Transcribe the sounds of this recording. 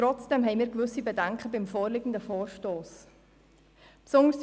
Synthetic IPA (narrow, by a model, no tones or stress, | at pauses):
ɾɔt͡sd̥ɛmɦɛɪmiːɾɡvʏsibedɛŋkχəbɪmfoːɾlɪɡən̩dəfoːɾʃtoːs | psʊŋəɾs